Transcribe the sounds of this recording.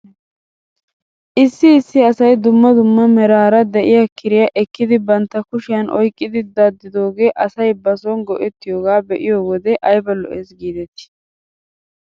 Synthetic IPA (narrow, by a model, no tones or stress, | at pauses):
ʔɪsːɪːsːɪɐsɐjd̪ʊmːɐd̪ʊmːɐmɛɾaːɾɐd̪ɛʔɪjakʰɪɾɪjaʔɛkːɪd̪ɪbɐnt̪ːɐkʊʃɪjɐnɔjkʼːɪd̪ɪd̪ɐd̪ːɪd̪o̞ːɡe̞ːʔɐsɐjbɐsɔnɡɔʔɛt̪ːɪjoːɡaːbɛʔɪjoːwɔd̪ɛʔɐjbɐlːɔ̰ʔesɡiːd̪ɛt̪ɪ̥